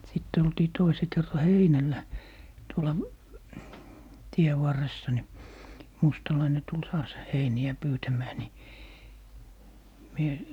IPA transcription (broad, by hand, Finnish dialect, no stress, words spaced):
sitː oltiː toise kerːɑ heinælːæ tuolɑ tie ʋɑrːesːɑ ni mustɑlɑine tul tɑːs heiniæ pyːtæmæː ni mie